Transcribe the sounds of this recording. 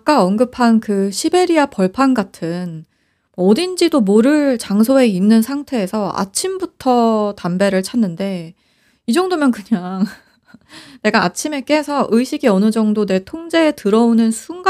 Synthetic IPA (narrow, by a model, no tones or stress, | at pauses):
k͈aʌnɡɯpʰankɯɕʰibe̞ɾiapʌɭpʰanɡatʰɯn | mwʌːdind͡ʑidomoɾɯɭt͡ɕaŋs̬ʰoe̞inːɯnsʰaŋtʰe̞ːsʰʌa̰t͡ɕʰimbutʰʌtambe̞ɾɯɭt͡ɕʰanːɯnde̞ | id͡ʑʌŋdomjʌnkɯɲaŋ | ne̞ɡaːt͡ɕʰime̞k͈e̞sʰʌʔɯɕʰiɡiʌnɯd͡ʑʌŋdone̞tʰoŋd͡ʑe̞ːtɯɾʌonɯnsʰuŋɡ